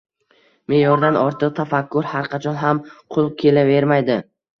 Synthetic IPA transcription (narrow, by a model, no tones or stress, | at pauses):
me̞jɒɾd̪anɒɾt̪ʰɨq̚t̪ʰafakʲːʊɾhaɾqʰɑt͡ʃʰɒnɦamqʰʊl̚ˠkʲʰe̞lave̞ɾmajd̪ɪ